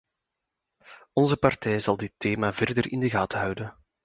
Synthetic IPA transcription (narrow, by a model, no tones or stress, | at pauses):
ɔnzəpɑrtɛjzɑlˠdɪtːeːmaːvɛrdərɪ̰ndəɣaːtəɦœwdən